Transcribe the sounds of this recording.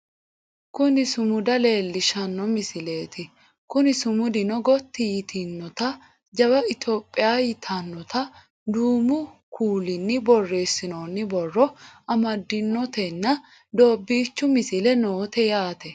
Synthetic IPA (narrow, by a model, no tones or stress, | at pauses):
kʊnɪsʊmʊd̪ɐle̞ːlːɪʃɐnːɔmɪsɪle̞ːt̪ɪ | kʊnɪsʊmʊd̪ɪnɔɡɔt̪ːɪjɪt̪ʰɪnːɔt̪ɐ | d͡ʒɐbɐɪt̪o̞ːpʼːɪjaːjɪt̪ʰɐnːɔt̪ɐ | d̪uːmʊkʰuːlɪnːɪbɔrːe̞ːsːɪnoːnːɪbɔrːɔɐmɐd̪ːɪnːɔt̪ɛnːɐ | d̪o̞ːbːiːt͡ʃːʊmɪsɪlɛnoːt̪ɛjaːt̪ɛ